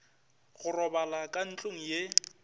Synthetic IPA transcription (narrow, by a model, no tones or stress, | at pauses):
ɣʊrɔbalakʼan̩t͡ɬʼoŋ̩je